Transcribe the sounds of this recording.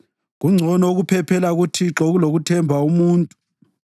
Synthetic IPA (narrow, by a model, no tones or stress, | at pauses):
ɣuŋ͡ǀʱɔnɔuɣupʰɛpʰɛlaɣutʰiǁɔɣuloɣutʰɛmbʱaumuːntʼu